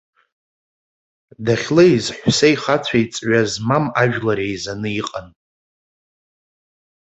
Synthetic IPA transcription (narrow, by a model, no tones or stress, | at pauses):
daχʲlejzħʷsejχat͡sʷʰait͡sʼɥazmamaʒᶣlaɾejzanɨiqʼan